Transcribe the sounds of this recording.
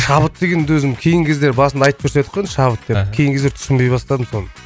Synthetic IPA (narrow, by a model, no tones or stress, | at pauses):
ʃɑβət̪d̪eɡʲe̞nd̪ɵzɪmkʲʰe̞jɪŋkʲʰe̞zd̪e̞ɾbɑsənd̪ɑjt̪əp̚kʰɵɾse̞t̪qʰːenʃɑβət̪̚d̪epkʲʰe̞jɪŋʲʰzd̪eɾt̪ʰʏ̥ʃɪmbe̞jbɑst̪ɑd̪əmso̞nə